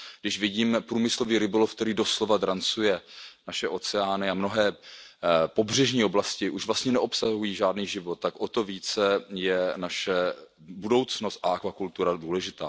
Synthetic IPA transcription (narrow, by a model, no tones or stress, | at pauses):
ɡdɪʃvɪɟiːmpɾuːmɪsloviːɾɪbolofkt̪ɛɾiːdo̞slo̞vad̪ɾant͡sujɛnaʃɛʔo̞t͡sɛaːnɪamno̞ɦɛː | po̞br̝ɛʒɲiːo̞blascɪʔuʃvlast̪ɲɛnɛʔo̞psaɦujiːʒaːdniːʒɪvo̞t̪̚ːakʔo̞t̪o̞viːt͡sɛjɛnaʃɛ | budo̞wt͡sno̞st̪ʔaʔakvakult̪uɾaduːlɛʒɪt̪aː